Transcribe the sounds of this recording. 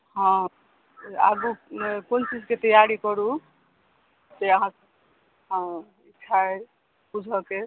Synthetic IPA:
ɦɔ̃ | a̰ɡukont͡ʃid͡ʒket̪əjaɾikɔɾu | d͡ʒeəɦãs | ɦ | it͡ʃʰae | bud͡ʒʱɔke

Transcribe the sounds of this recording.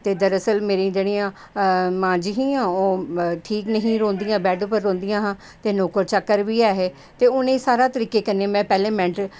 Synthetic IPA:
t̪eːd̪əɾəsəlmeːɾĩːd͡ʒeːɽijãː | mãːd͡ʒiɦĩːãːoːʈʰiːknəɦĩːɾõːnd̪ijãːbɛːɖpəɾːõːnd̪ijãːɦãː | t̪eːnoːkəɾt͡ʃəkːəɾʋiːɛːɦeː | t̪eːʊnẽːsaːɾaːt̪əɾiːkeːkənːeːmɛ̃ːpɛːlẽːmɛ̃ɳʈ

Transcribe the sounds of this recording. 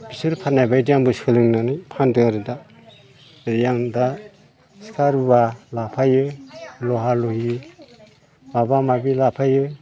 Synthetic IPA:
bisɯɾpʰaɾnajbajdijaŋbɯskʰɯlɯŋnanɯjpʰandɯaɾɯda | ɾijaŋda | si̥kʰaɾɯbalapʰajɯlɔɦaluhi | mabamabilapʰajɯ

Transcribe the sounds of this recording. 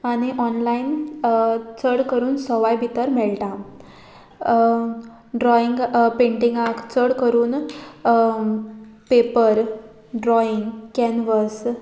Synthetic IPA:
aɽ̃iʔɔnlain | t͡səɽkəɾuːnsɔʋajbʱit̪əɾmɛɭʈã | ɖɾɔiŋɡpẽɳʈĩŋɡakt͡səɽkəɾuːn | pepəɾ | ɖɾɔiŋɡkɛnʋəs

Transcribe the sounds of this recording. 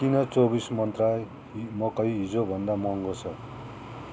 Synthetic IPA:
kinʌt͡sobismʌnt̪raj | mʌkʌjɦid͡zobʱʌnd̪amʌŋɡot͡sʰʌ

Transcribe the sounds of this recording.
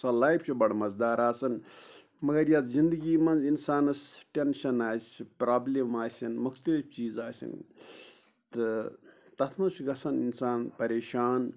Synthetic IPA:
sɐlaːjpʰt͡ʃʰubɐɽmɐzd̪aːɾaːsɐn | mɐɡɐɾjɐt̪zind̪ɨɡiːmɐnzinsaːnɐsʈʲenʃɐnaːzt͡ʃʰpɾaːblemaːsʲɐnmukʰt̪it͡ʃiːzaːsɐ̰n | t̪ɨ | t̪ɐt̪ʰmɐt͡ʃʰɡɐsɐninsaːnpɐɾeːʃaːn

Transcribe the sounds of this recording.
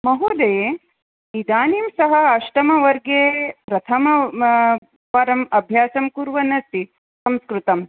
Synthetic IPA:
mɐɦud̪ɐje | id̪aːniːmsɐɦɐɐʃʈɐmɐʋɐɾɡeːpɾɐt̪ʰɐmɐ | pɐɾɐmɐbʱjaːsɐmkuɾʋɐnɐst̪i | sɐmskɾut̪ɐm

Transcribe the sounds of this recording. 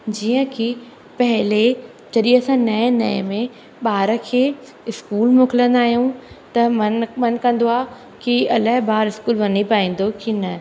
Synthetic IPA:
d͡ʑiːə̃kʰi | pɐɦɪle | d͡ʑɐɗĩəsãnɐẽnɐ̰emẽ | ɓaːɾəkʰeː | ɪskuːlmʊkɪlə̃nd̪aːɦijũt̪ɐmɐnmɐnkɐ̃nd̪oaː | kiɐlaɦɪbaːɾɪskuːlʋɐnipaːĩːn̆d̪okinɐ

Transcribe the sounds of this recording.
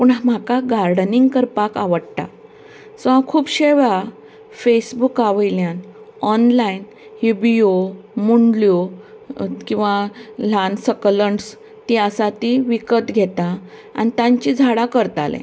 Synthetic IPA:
puɳm̤akaɡaɾɖniŋɡkəɾpakaʋəɽt̪a̰ | sʋãkʰuːbɕeʋa | fesbukaʋəjljan | ɔnlain | hibiomuɳɖljo | kĩw̃ʋalansəkləɳs | t̪iəsat̪iʋikət̪ɡʱet̪a | a̰nit̪ãɲt͡ɕid͡zʱaɽakəɾt̪alḛ̃

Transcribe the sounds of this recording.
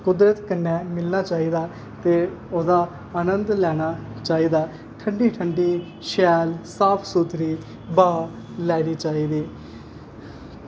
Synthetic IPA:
kʊd̪ɾət̪kənːɛːmɪlnaːt͡ʃaːiːd̪aː | t̪eːoːd̪aː | aːnənd̪lɛːɽ̃aː | t͡ʃaːiːd̪aː | ʈʰəɳɖiːʈʰəɳɖiː | ʃɛːlsaːpʰsut̪ɾiː | baː | lɛːɽiːt͡ʃaːiːd̪iː

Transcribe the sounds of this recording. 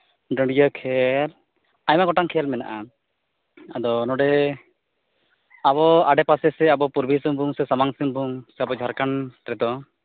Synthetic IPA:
ɖə̃ɳɖijəkʰɛl | ajmaɡɔʈaŋkʰɛlmɛna̰ʔa | ad̪ɔnɔɖɛ | aβɔaɖɛpasɛsɛabɔpuɾbʱisɯmbʱuŋsɛsamaŋsiŋbʱuŋsɛabɔd͡ʒʱaɾkanʈɾɛd̪ɔ

